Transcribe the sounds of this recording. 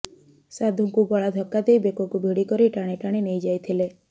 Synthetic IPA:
sad̪ʱuŋkubɔɭad̪ʱɔkːad̪ejbekɔkubʱiɽikɔɾiʈaɽ̃eʈaɽ̃enejd͡ʒajt̪ʰile

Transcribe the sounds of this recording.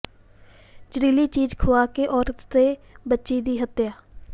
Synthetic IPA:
d͡ʒəɾiːliːt͡ʃiːd͡ʒkʰʊʋaːkeːʔɔːɾət̪ːeːbətːʃiːd̪iːɦət̪jaː

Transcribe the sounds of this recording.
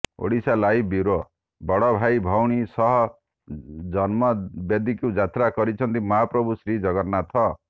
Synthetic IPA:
o̰ɽisalajbiɾo | bɔɽɔbʱajbʱɔwɽ̃isɔɦɔ | d͡ʒɔnmɔbjed̪ikud͡ʒat̪ɾakɔɾit͡ʃʰʌnt̪imɔɦapɾɔbʱusɾid͡ʒɔɡɔɾnat̪ʰɔ

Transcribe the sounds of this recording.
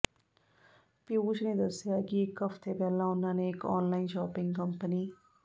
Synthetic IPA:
pɪuːt͡ʃneːd̪əsjaːkɪɪkːəfʰt̪ʰeːpɛːlãːʊnãːneːɪkɔːnlaːiːnʃɔːpɪ̃ŋɡkəmpəniː

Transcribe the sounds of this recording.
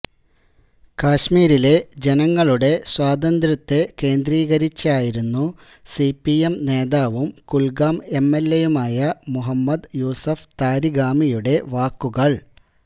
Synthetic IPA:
kaːɕmiːɾile̞d͡ʑe̞nɐŋːɐɭuɽe̞swaːd̪ɐnd̪ɾɐt̪ːeke̞ːnd̪ɾiːɣɐɾit͡ɕːaːjiɾunːu | sipːiemne̞ːðaːʋumkulɡaːme̞mːe̞lːejumaːjɐmuɦɐmːɐd̪juːsɐft̪aːɾiɡaːmijuɽe̞ʋaːkːuɣɐɭ

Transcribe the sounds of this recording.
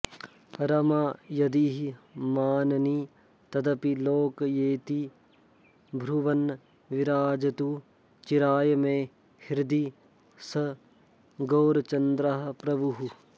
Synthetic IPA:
ɾɐmaːjɐd̪iɦimaːnɐni | t̪ɐd̪ɐpiloːkjeːt̪i | bʱɾuʋɐn | ʋɪɾaːd͡ʒɐt̪u | t͡ʃiɾaːjmẽː | hɪɾd̪i | sɐ | ɡoːɾt͡ʃɐnd̪ɾaɦɐ̆pɾɐbuɦu

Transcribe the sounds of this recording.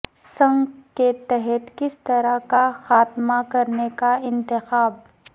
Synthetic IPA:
sɐ̃ŋɡket̪ɛɦɛt̪kɪst̪ɐɾakaxaːt̪makɐɾnekaɪ̃nt̪ɪxaːb

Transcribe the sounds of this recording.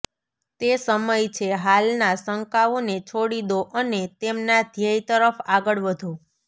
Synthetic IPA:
t̪esəməjt͡ʃʰeɦalnasəŋkaʋonet͡ʃʰoɽid̪oʔənet̪emnad̪ʱjəit̪əɾəfaɡəɭʋəd̪ʱo

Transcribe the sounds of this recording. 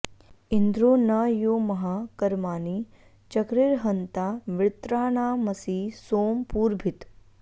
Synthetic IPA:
ɪnd̪ɾoːnɐjoːmɐɦaːkɐɾmaːni | t͡ʃɐkɾɪɾɦɐnt̪aːʋɪɾt̪ɾaːnaːmɐsiːsoːmpuːɾbʱɪt̪

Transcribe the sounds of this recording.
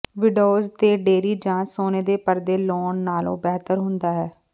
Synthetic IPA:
ʋɪɖoːzt̪eːɖeːɾiːd͡ʒãːsoːneːd̪eːpəɾd̪eːloːnːaːlõ̰ːbɛːt̪əɾɦʊnd̪aːɦɛː

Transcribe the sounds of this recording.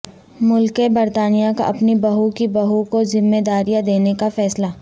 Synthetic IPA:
mʊlkebɐɾt̪aːnijaka̰ʔɐpnibɐɦukibɐɦukozɪmːeːd̪aːɾijad̪eːnekafɛːsla

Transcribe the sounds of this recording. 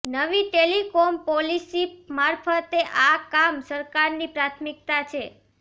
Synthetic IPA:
nəʋiʈelikɔmpɔlisimaɾfʰət̪eʔakamsəɾkaɾnipɾat̪ʰmik̚t̪at͡ʃʰe

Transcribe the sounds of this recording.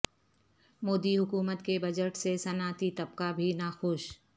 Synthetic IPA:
moːd̪iɦʊkuːmət̪kebɐd͡ʒəʈsesɐnaːt̪it̪ɐb̚kabʱinaːxʊʃ

